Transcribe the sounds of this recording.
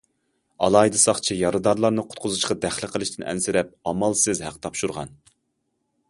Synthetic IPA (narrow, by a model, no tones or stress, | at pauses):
ɑ̰lˠɑjd̪ɨsɑχt͡ʃʰijɑɾɨd̪ɑɾlˠɑɾnɨqʰʊ̥t̪̚qʰʊzuʃqɑd̪æχlˠɪqʰəlˠɨʃt̪ʰɪnʔɛ̰nsɪɾɛp̚ɑmɑlˠsɪzhæqt̪ʰɑpʃuɾʁɑ̰n